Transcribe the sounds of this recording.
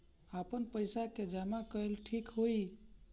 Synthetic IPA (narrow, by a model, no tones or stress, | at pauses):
apənpəjsaked͡ʒamakəelʈʰikɦoi